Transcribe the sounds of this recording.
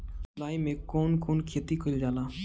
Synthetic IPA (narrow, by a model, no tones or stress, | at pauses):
sʊlaːimẽkoːnkʰuːnkʰeːt̪ikʰʊld͡ʒaːlaː